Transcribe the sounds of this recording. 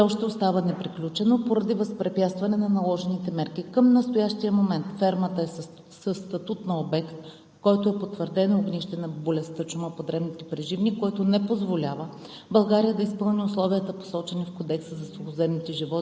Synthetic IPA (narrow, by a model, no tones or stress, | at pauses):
ɛɔʃt̪ɛost̪avənɛpɾiklʲut͡ʃɛnopoɾɐd̪ivɐspɾɛpʲjat̪st̪vɐnɛnɐnɐlˠɔʒɛnit̪ɛmɛɾk̟ikəmnɐst̪ojaʃt̪ijəmomɛnt̪fɛɾmət̪əɛ | səst̪ɐt̪ut̪nɐobɛkt̪̚ | kɔjt̪oɛpot̪vəɾd̪ɛnooɡniʃt̪ɛnɐbolʲɛst̪ət͡ʃuməpod̪ɾɛbnit̪ɛpɾɛʒivnikɔjt̪onɛpozvolʲavə | bɐlˠɡaɾijəd̪ɐispɤlˠnʲiʊslˠɔviət̪əpo̥sɔt͡ʃɛnifkod̪ɛksəzɐsuxʊzɛmnit̪ɛʒivɔ